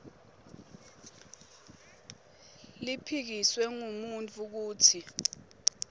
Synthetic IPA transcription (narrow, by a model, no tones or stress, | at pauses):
lipʰik̬iswɛŋumunt͡fʰʼuk̬uːtʰi